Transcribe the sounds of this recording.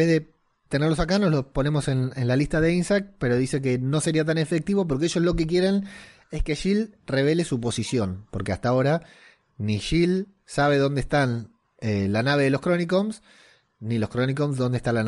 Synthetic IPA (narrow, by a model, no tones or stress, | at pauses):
beðe | t̪eneɾlo̞sakano̞slopo̞ne̞mo̞se̞nenlalist̪aðe̞insakpe̞ɾo̞ðise̞k̬eno̞se̞ɾiat̪̬ane̞fek̚t̪iβo̞p̬o̞ɾkeeʒo̞slo̞kek̬je̞ɾen | e̞ske̞ʃilre̞β̞e̞le̞sup̬o̞sisjo̞npoɾkeast̪ao̞ɾa | niʃil | saβe̞ðo̞nd̪est̪an | elanaβe̞ðelo̞skɾo̞nikoms | nilo̞skɾo̞nikomsðo̞nd̪est̪alan